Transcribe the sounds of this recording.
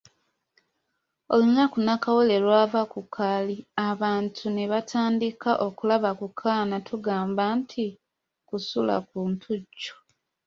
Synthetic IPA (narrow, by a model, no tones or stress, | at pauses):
o̞lunakunakawole̞ɾwaːvakukʰaliaβaːntʰuneβatʰaːndikaʔo̞kulaβakukʰaːnatʰuɡaːmbantʰi | kusula̰kuːntʰuɟːo̥